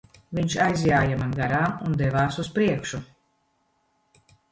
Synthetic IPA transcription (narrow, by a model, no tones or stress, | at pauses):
viɲʲʃajzjaːjamanɡaɾaːmund̪ɛvaːsuspɾiɛkʃu